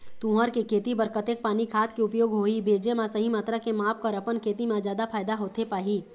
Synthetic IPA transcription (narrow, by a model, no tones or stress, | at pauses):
t̪ũːɦəɾkekʰeːt̪ibɐɾkət̪eːk̚paːnikʰaːt̪kiʊpjoːɡɦoːibeːd͡ʒemãsɐɦimaːt̪ɾakemaːp̚kɐɾɐpənkʰeːt̪imãzjaːd̪apʰaːjd̪aɦoːt̪epaːɦiː